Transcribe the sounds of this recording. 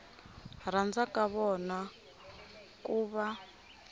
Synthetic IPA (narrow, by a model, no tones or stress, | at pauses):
ɾand͡zakaβɔna | kuβa